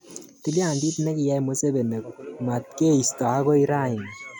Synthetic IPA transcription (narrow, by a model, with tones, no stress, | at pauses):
ti˦lja˨ndi˦tnɛ˦kɪ˨jɛ˦mo˦se˦be˨ne˨ko˨ma˨t̚ke˦i˨stɔ˨a˦kɔ˦i˦ɾa˦˨ɪ˨ŋ